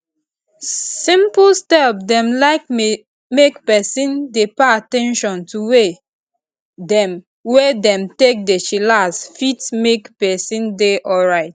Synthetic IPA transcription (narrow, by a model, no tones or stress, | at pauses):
sĩmplstɛp̚dɛ̃mlaɪk̚ | mekpɛsĩndepeatɛ̃nʃɔ̃ntʰuwe | dɛ̃m | wedɛ̃mtek̚det͡ʃilasfitmekpɛsĩndeʔɔlɹaɪt̚